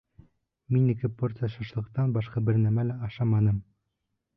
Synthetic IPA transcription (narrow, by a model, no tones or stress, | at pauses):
minɘ̆kɘport̪sɨjaʃɑ̆ʃlˠɤ̆qt̪ɑnbɑʃqɑbɘɾnæmælæɑʃɑmɑnɤm